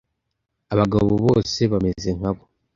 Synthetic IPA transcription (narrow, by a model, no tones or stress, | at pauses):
aβaɡaβoβo̞ːse̞βameze̞ŋ̥aβo̞